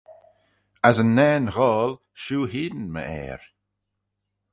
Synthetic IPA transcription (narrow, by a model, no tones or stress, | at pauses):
azənːɛːnɣɔːl | ʃuːhiːdnmə̰ʔɛ̰ːɹ